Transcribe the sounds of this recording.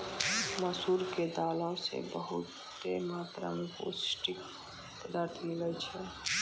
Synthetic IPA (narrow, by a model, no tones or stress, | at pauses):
məsuɾked̪aːlõsḛbəɦṵt̪ː | emaːt̪ɾa̰mepo̰sʈik | t̪əd̪aɾt̪ʰmilət͡ʃʰɛ